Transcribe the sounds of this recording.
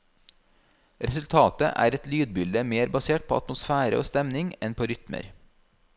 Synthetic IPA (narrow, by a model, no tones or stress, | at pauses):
ɾɛsʉlt̪ʰɑːt̪ə̰ʔæ̰ːɾɛt̪lyːd̪̚bʏld̪əmeːɾbɑseːʈ̚pʰo̰ːɑt̪mʊsfæːɾə̰ʔo̰ːst̪ɛmnɪŋɛnpʰoːɾʏt̪mə̰ɾ